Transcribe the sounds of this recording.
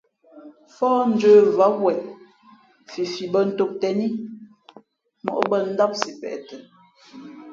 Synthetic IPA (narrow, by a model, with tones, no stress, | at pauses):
fɔː˦n̩˨d͡ʒəː˦va˦wɛ˨ | fi˨fi˨bə˦˨n̩˨to˦˨p̚tɛ˨ni˦ | mɔ̰˨ʔbə˦˨n̩˦da˦p̚si˨pɛ̰˨ʔtə˨